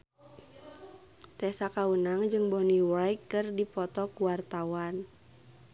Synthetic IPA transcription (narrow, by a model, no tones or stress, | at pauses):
t̪ɛsakawunaŋd͡ʒɨŋbɔniwajkːɨrdipɔt̪ɔkuwart̪awan